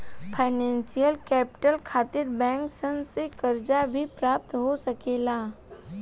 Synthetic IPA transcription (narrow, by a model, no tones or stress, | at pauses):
pʰaɪnɛ̃ːnsijəlkɛːpɪ̥ʈəlkʰaːt̪ɪɾbɛ̃ːŋksə̃nsekɐɾd͡ʒabʱipɾaːp̚t̪ɦosɐkeːlaː